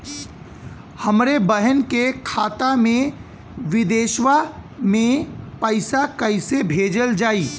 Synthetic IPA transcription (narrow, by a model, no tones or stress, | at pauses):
hɐmɾebəɦənkekʰaːt̪amẽ | ʋɪd̪eːʃwamẽpəɪsakəɪsebʱeːd͡ʒəld͡ʒaːiː